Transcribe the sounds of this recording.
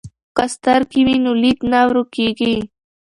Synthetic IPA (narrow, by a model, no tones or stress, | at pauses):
kast̪aɾkiwinulit̪nawɾukeɡi